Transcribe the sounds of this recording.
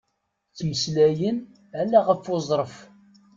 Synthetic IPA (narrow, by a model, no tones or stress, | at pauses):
t͡sːməslæjən | ælæʁəfozˤɾˤəf